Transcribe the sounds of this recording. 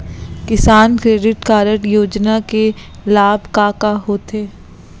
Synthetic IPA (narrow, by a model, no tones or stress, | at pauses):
kɪsaːnkɾeːɖɪʈkaːɾəʈjoːd͡ʒnake | laːbʱkaːkaɦoːt̪eː